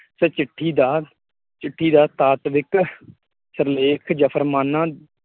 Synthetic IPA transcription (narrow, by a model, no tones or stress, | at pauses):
sɛːt͡ʃɪʈʰːiːd̪aː | t͡ʃɪʈʰːiːd̪aːt̪aːt̪ʋɪk | səɾleːkʰd͡ʒəpʰəɾmaːnːãː